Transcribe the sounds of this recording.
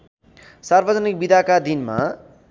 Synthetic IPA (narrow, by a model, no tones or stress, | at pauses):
sarbʌd͡zʌnik̚bid̪ʱakad̪inma̰